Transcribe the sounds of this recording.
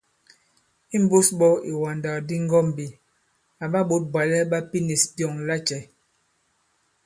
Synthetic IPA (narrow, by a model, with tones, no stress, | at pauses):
i˦m˦bo˦sɓɔ˦i˨wa˨nda˨di˦ŋ˦ɡɔ˦m˨bi˨ | a˨ɓa˦ɓo˦t̚bwa˨lɛ˦ɓa˦pi˦ne˨spjɔ˨ŋla˦t͡ʃɛ˨